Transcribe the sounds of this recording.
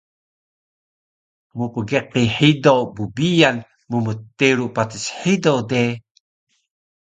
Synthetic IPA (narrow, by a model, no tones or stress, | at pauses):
mupəɡeqiħidowbubijan | mumət̪iɾuʔpat̪isħidowde